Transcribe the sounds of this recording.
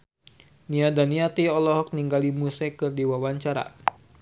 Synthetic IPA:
niadaniat̪iɔlɔɦɔk̚niŋɡalimusɛkɨrdiwawaɲt͡ʃaɾa̰

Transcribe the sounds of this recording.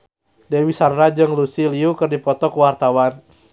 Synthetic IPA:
dɛwisarnad͡ʒɨŋlusiliukɨrdipɔt̪ɔkuwart̪awan

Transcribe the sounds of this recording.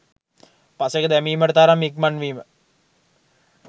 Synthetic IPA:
pasekəd̪æmiːməʈət̪aːɾamːikmanʋiːmə

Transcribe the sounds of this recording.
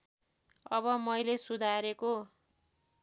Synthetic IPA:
ʌβʌmʌjlesud̪ʱaɾeko

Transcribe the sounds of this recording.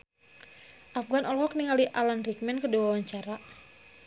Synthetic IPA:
ʔafɡanʔɔlɦɔk̚niŋaliʔalanrik̚mɛnkəduwawaɲt͡ʃaɾa

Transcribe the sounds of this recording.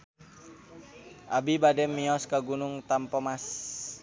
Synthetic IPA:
ʔabibadɛmːiɔskaɡunuŋt̪ampɔmas

